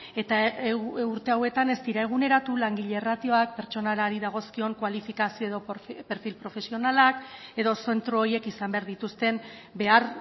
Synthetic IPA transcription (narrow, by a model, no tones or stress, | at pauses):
et̪a | uɾt̪e̞awe̞t̪ane̞st̪iɾae̞ɣ̞une̞ɾat̪ulaŋɡiʎe̞rat̪io̞ak̚pe̞ɾt͡ʃo̞naɾaɾiðaɣ̞o̞skio̞ŋkwalifikasio̞eðo̞pe̞ɾfilpɾo̞fe̞sio̞nalake̞ðo̞se̞nt̪ɾoːje̞kisambe̞aɾðit̪ust̪e̞mbe̞aɾ